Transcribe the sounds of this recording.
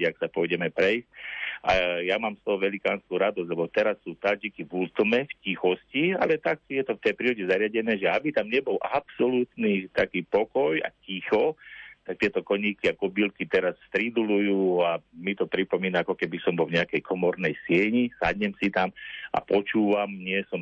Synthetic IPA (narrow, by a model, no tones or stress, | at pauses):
ɛaksapɔjɟɛmɛpɾɛjscʔajamaːmst̪ɔɦɔʋɛlikaːnskuːɾad̪ɔzɟlɛbɔt̪ɛɾasːuːt̪ad͡ʒikiʋult̪mɛfcixɔscia̰lɛt̪aksijɛt̪ɔft̪ɛjpɾiːɾɔɟɛzaɾɪaɟɛnɛːʒɛabit̪amɲɛbɔlapsɔlut̪nit̪akiːpɔkɔja̰cixɔt̪akt̪ɪɛt̪ɔkɔɲiːkiakɔbilkit̪ɛɾasst̪ɾid̪ulujuːamit̪ɔpɾipɔmiːnaakɔkɛbisɔmbɔlvɲɛakɛjkʰɔmɔɾnɛjsɪɛɲisa̰ɟɲɛmsit̪amʔa̰pɔt͡ʃuːʋamɲɪɛsɔm